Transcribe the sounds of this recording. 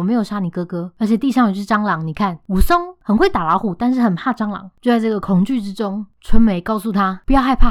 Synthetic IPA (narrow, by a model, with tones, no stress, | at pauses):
me˧˥ɪjo˨˩ʊʂa˥ni˨˩kɤ˥kɤ˧˥ə˞˧˥t͡ɕʰjɛ˨˩t̪i˥˧ʂɑ˥˩ŋy˨˧˩ʂɻ̩˥˩ʈ͡ʂɑ˥ŋlɑ˨˦ŋni˨˩kʰa˥˩nu˨˩sʊ˥ŋxə˨˩nxwe˥˩ɪt̪a˨˩lɑ˨˧˥ʊxu˨˩t̪a˥˧nʂ̬̩˥˩xə˨˩npʰa˥˩ʈ͡ʂɑ˥ŋlɑ̰˨˦ŋt͡ɕjo˥˧ʊt͡sa˥˧ɪʈ͡ʂɤ˥˩ɡə˩kʰʊ˨˩ŋt͡ɕy˥˩ʈ͡ʂɻ̩˦˥ʈ͡ʂo˥ŋʈ͡ʂʰwə˧˥nme˨˦ɪkɑ˥˧ʊsu˥˩t̪ʰa˦pu˧˩jɑ˥˧ʊxa˥˧ɪpʰa˥˩